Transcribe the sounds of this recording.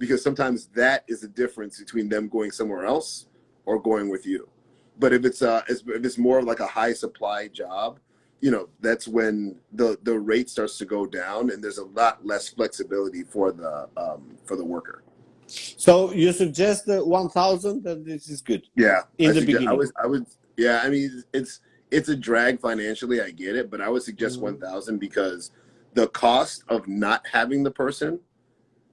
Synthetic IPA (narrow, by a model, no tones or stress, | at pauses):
b̥ɨkʰʌz̥sʌ̃mtʰãɪ̃mzðɨɾɨzɨdɪfɹɨ̃nsb̥ɨtʰw̥ĩnðɨ̃mɡoʊɪ̃ŋsʌ̃mwɛɹɛlˠs | ə˞ɡoʊɪ̃ŋwɨðjʉ | b̥ʌɾɨfɨtsʌʔɪsɨfɨtsmɔɹʌvlaɪkəhaɪsəpʰl̥aɪd͡ʒɑb̚ | jɨñoʊðætswɨ̃nðəðəɹeɪtstɑɹtstʰɨɡoʊdãʊ̃nɨ̃nðə˞zəlɑt̚ˡlɛsflɛksɨbɪlˠəɾifə˞ðə̰ʌ̃mfə˞ðəwɜ˞kə̰˞ | soʊjɨsɨɡ̚d͡ʒɛst̪̚ðɨwʌ̃nθaʊzə̃nðɨt̪̚ðɪsɨzɡʊd̥jæɪɨ̃ɪsðɨɡbd͡ʒaɪwʌza̰ɪwɨd̚ | jæaɪmĩnɪts | ɨtsɨdɹæɡ̥fãɪ̃næ̃nʃl̩ˠiaɪɡɛɾɪt̚b̥ʌɾaɪwɨd̥sɨɡ̚d͡ʒɛst̚wʌ̃nθaʊzɨ̃nbɨkʰʌz | ðəkʰɔstʌvnət̚hævɪ̃ŋðəpʰɜ˞sɨ̃n